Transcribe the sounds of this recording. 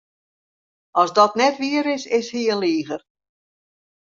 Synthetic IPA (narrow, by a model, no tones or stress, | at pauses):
ɔsdɔtnɛtʋiəɾɪsɪshiənliːɣər